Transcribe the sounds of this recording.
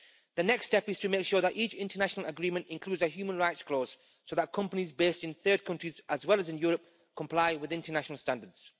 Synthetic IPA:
ðənɛkstɛpɪz̥tʰəmeɪkʃɔːɹðətit͡ʃɪ̃ntənaʃənəlˠəɡɹĩmə̃ntɪ̃nkʰl̥ʉːdzəɦjʉːmə̃nɹaɪtskʰl̥oːz̥ | soʊðət̚kʰʌ̃mpənizbeɪstɨ̃nθɜ˞d̚kʰʌ̃nt͡ʃɹ̥izʔəzwɛlˠəzɪ̃njʊːɹəp̚ | kʰə̃mpʰl̥aɪwɪðɪ̃ntənaʃənəl̩ˠstãndədz̥

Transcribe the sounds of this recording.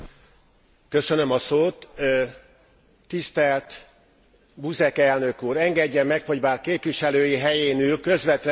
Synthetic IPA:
kø̞sø̞nø̞mɒsoːt̪ | ist̪ɛlt̪ | buzɛkɛlnø̞kuːɾɛŋɡɛɟːɛmːɛkho̞ɟbaːrkeːpʋiʃɛløːjiɦɛjeːnyːlkø̞zʋɛt̪l

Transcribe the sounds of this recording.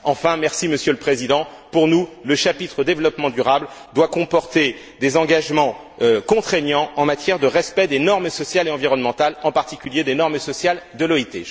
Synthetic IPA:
ɑ̃fɛ̃mɛʁsiməsjøləpχezid̪ɑ̃ | puʁnuləʃapit̪χəd̪evlɔpmɑ̃d̪yʁabld̪wakɔ̃pɔʁt̪e | d̪ezɑ̃ɡaʒmɑ̃ | økɔ̃t̪χeɲɑ̃ɑ̃mat̪jɛʁd̪əʁɛspɛd̪enɔʁmsɔsjaleɑ̃viʁɔnmɑ̃t̪alɑ̃paʁt̪ikʲyljed̪enɔʁmsɔsjald̪əlɔit̪e

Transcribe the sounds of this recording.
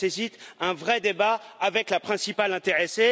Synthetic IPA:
esit̪ɛ̃vʁɛd̪ebaːvɛklapχɛ̃sipalɛ̃t̪eʁese

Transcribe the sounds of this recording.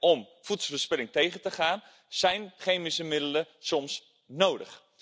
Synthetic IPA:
ɔm | futsl̩vəspɛlɪŋtejχəntəχaːn | z̥ɛjnχejmisəmɪdələsɔms | nowdə̰χ

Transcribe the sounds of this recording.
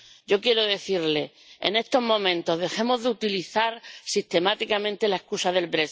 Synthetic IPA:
ɟ͡ʝokje̞ɾoðe̞θiɾle̞ | ḛne̞st̪o̞ɦmõ̞mẽ̞nt̪o̞ɦðe̞xe̞mo̞zðeut̪iliθaɾsist̪e̞mat̪ikamẽnt̪e̞lae̞hkusaðe̞lbɾe

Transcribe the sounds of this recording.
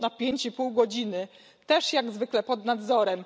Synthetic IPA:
napʲjeɲt͡ɕipuwɡɔd͡ʑinɘ | t̪ɛʂjaɡzvɘklɛpɔd̪nad̪zɔɾɛm

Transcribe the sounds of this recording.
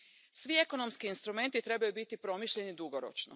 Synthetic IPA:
sʋie̞ko̞no̞mskiːnst̪ɾume̞nt̪it̪ɾe̞bajubit̪ipɾo̞miʃʎe̞nid̪uɡo̞ɾo̰t͡ʃno̰

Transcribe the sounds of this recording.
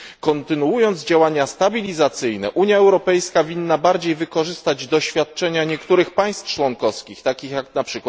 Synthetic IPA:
kɔnt̪ɘnuujɔnd̪zd͡ʑawaɲast̪abʲilʲizat̪sɘjnɛ̰ʔuɲjaɛwɾɔpɛjskavʲinːabaɾd͡ʑejvɘkɔʐɘst̪ad͡ʑd̪ɔɕfʲjat̪̚t͡ʂɛɲaɲɛkt̪uɾɘxpaj̃st̪ft͡ʂwɔŋkɔskʲixt̪akʲixjaknapʂɘkwa

